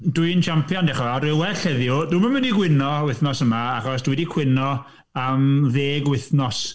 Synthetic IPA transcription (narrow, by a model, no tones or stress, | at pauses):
duɨnt͡ʃʰampʰjɔndɛχɔvɛriwɛɬɛðjʊduːmənməndiɡwɪnɔwɪθnɔsəmaaχɔs̬d̥wɛdikʰw̥ɪnɔ | əmðeːɡwɪθnɔs